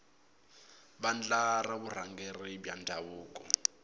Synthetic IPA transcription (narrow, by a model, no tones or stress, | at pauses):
band͡ɮaraβur̤aŋɡɛribjandʱaβuːkʼɔ